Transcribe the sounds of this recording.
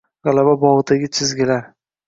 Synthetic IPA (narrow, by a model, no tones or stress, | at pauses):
ʁalababɒʁɨd̪aɡʲɪt͡ʃʰɪzɡʲɪlaɾ